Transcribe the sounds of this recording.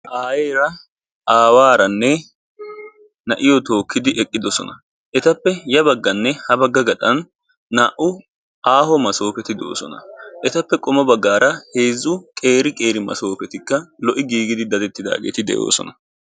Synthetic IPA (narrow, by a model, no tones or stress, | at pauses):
ʔaːjeːɾɐ | ʔaːwaːɾɐnːɛ | nɐʔɪjɔt̪o̞ːkːɪd̪ɪʔɛkʼːɪd̪ɔsɔ̰nɐ | ʔɛt̪ɐpːɛjɐbɐɡːɐnːɛhɐbɐɡːɐɡɐt̪ʼɐnː | aːʔʊ | aːhɔmɐso̞ːpɛt̪ɪd̪o̞̰ːsɔ̰nɐʔɛt̪ɐpːɛkʼɔmɐbɐɡːaːɾɐheːzːʊkʼe̞ːɾɪkʼe̞ːɾɪmɐ̰so̞ːpɛt̪ɪkːɐlɔʔɪɡiːɡɪd̪ɪd̪ɐd̪ɛt̪ːɪd̪a̰ːɡḛːt̪ɪd̪ɛ̰jo̞̰ːsɔ̰nɐ